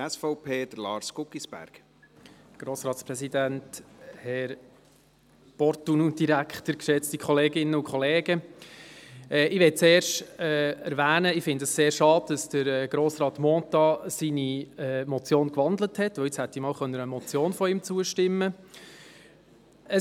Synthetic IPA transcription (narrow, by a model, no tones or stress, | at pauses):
ɛsfɔʊpʰeːd̥əɾlɑːɾskʊkːisb̥æ̰ɾɡ̥ | ɡ̥ɾoːsɾɑːt̪spɾɛsidænthɛɾ | pɔɾtunud̥iɾækʰtəɾkʃɛt͡stikʰχɔleːɡɪnːəʊkχɔleːɡə | ɛːʔɪʋɛt̚t͡sɛːɾʃtɛæ̰ɾʋæːnəɪfɪndəsseːɾʃɑːd̥̚d̥ɑsd̥əɾɛːɡ̥ɾoːsɾɑːt̪mɔːt̪ɑsiniɛːmɔt͡sjoːnkʋɑnd̪ləthɛtʋəʊɪt͡shæt̪ːimɑːwχœnːəɾəmɔt͡sjoːnfɔɪmt͡suəʃtɪmːə | ə